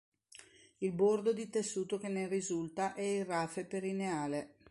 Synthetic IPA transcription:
ilbord̪od̪it̪esːuːt̪ok̟enerizult̪aʔɛiraːfepeɾineaːle

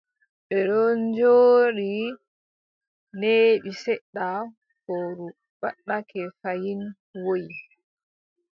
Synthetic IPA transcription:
ɓɛɗɔnd͡ʒoːɾi | neɓisɛɗːa | hoɾu | ɓaɗːakʰɛfajin | woj

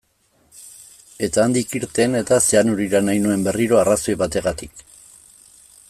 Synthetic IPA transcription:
e̞t̪aːnd̪ikiɾt̪e̞ne̞t̪aseanuɾiɾanajnue̞mbe̞riɾo̞araso̞jβat̪e̞ɣat̪ik

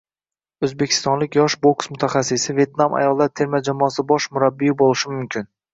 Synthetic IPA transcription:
ɵzbekʲʰɪ̥st̪ɒnlɪkʲjɒʃboksmʊt̪ʰaχasːɪsɪve̞t̪namʔa̰jɒlˠːaɾt̪ʰe̞ɾmad͡ʒamɒːsɪbɒʃmʊɾabːijɪbolˠɪʃɪmʊmkʲʰɪn

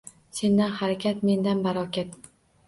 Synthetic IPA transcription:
se̞nd̪anhaɾakʲʰat̪me̞nd̪anbaɾɒkʲat̪

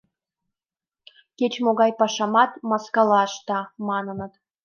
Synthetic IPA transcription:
kʲet͡ɕmoɣɑjpɑʃɑmɑt̪mɑskɑlɑʃt̪ɑmɑnɤnɤ̆t̪

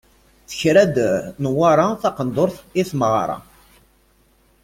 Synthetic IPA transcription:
θə̥çɾæd̪ənwaɾˤɑθɑqənd̪ˤoɾθiθməʁɾˤɑ̰

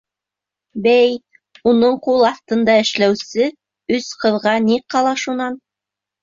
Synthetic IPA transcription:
bæj | unɤɴqulˠɑθt̪ɤ̆nd̪ɑɘ̆ʃlæwsɘ | ɵsqɤ̆ðʁɑniqːɑlˠɑʃunɑn

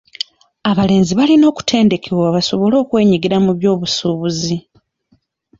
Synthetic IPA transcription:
aβale̞ːnziβalino̞ːku̥tʰe̞ːnde̞kʰe̞waβaso̞βo̞lo̞ːkwe̞ːɲiɡiɾamuβjo̞ːβusuːβuzi

